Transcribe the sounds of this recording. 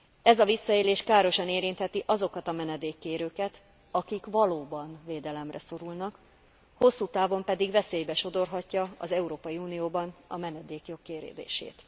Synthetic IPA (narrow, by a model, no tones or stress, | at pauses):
ɛzɒvisːɒeːleːʃkaːɾo̞ʃɒneːɾint̪hɛt̪iʔɒzo̞kɒt̪ɒmɛnɛd̪eːkːeːɾøːkɛt̪ | ɒkikʋɒloːbɒnveːd̪ɛlɛmrɛso̞ɾulnɒk | ho̞sːuːt̪aːvo̞mpɛd̪iɡvɛseːjbɛʃo̞d̪orɦɒcːɒɒzɛuɾoːpɒjiuːnijoːbɒnɒmɛnɛd̪eːkjo̞kːeːɾḛːd̪ḛːʃḛːt̪